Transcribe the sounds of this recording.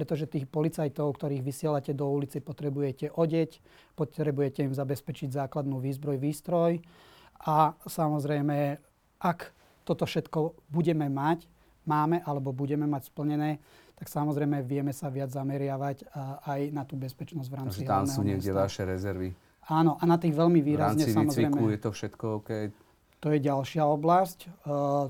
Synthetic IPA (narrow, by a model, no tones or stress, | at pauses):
pɾɛt̪ɔʒɛt̪iːxpɔlit͡sajt̪ɔʊkt̪ɔɾiːɣʋisɪɛlacɛd̪ɔulit͡sɛpɔt̪ɾɛbujɛcɛʔɔɟɛc | pɔt̪ɾɛbujɛcɛimzabɛspɛt͡ʃiɟzaːklad̪nuːʋiːzbɾɔjʋiːst̪ɾɔj | asamɔzɾɛjmɛ | ʔak | t̪ɔt̪ɔfʃɛt̪kɔbuɟɛmɛmac | maːmɛʔalɛbɔbuɟɛmɛmacspl̩ɲɛnɛː | t̪aksamɔzɾɛjmɛʋɪɛmɛsaʋɪad͡zzamɛɾɪaʋacajnat̪uːbɛspɛt͡ʃnɔzɟʋɾaːmt͡siɦamnuɲɛɡɟɛʋaʃɛɾɛzɛɾʋi | aːnɔʔanat̪iːɣʋɛʎmiʋiːɾazɲɛisamɔzɾɛjmɛujɛt̪ɔfʃɛt̪kɔɔkɛj | t̪ɔjɛɟalʃɪaɔblasc